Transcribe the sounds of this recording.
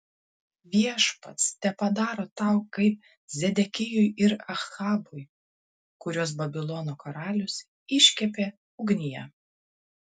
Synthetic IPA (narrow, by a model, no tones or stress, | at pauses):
ʋʲiɛʃpɐt̪st̪ʲɛpɐd̪ɑːɾoːt̪ɑʊkɐɪp̚ | zʲɛd̪ʲɛkʲɪjʊjɪɾɐxɑːbʊj | kʊɾʲoːs̬bɐbʲɪlˠɔnoːkɔɾɑːlʲʊs | ɪʃʲkʲɛpʲeː | ʊɡnʲɪjɛ